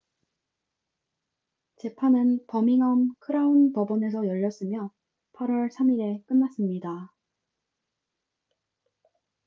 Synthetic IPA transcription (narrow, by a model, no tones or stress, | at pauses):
t͡ɕe̞pʰanɯnpʌmiŋʌmkʰɯɾaunpʌbʌne̞s̬ʰʌjʌʎːʌs͈ɯmjʌ | pʰaɾwʌɭsʰamiɾe̞k͈ɯnːas͈ɯmɲida